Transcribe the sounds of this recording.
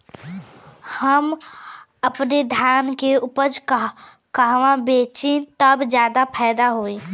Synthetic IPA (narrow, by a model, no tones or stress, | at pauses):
həm | əpned̪ʱjaːnkeʊpəd͡ʒ | kəɦʋãbeːt͡ʃẽt̪əbd͡ʒjaːd̪apʰɛːd̪aɦoːẽː